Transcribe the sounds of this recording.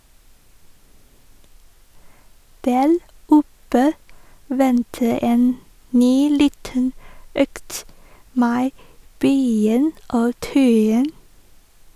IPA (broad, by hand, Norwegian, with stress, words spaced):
ˈdæːɾ ˈʊpə ˈʋɛntə ˈeːn ˈnyː ˈliːtən ˈøːkt ˈmeː ˈbœʏɪŋ ˈoː ˈtœʏɪŋ